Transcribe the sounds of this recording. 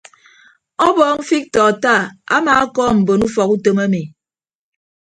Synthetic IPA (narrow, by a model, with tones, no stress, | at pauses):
ɔ˦bɔː˨˦m̩˦fi˦k̚tɔː˨ta˦˨a̰˦ma˨˦a˦kɔː˦m̩˨bo˨nu˦fɔ˨ku˦tə˦ma˦mi˨